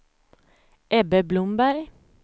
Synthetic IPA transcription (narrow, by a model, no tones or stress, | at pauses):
ʔɛbəblʊmbæɾ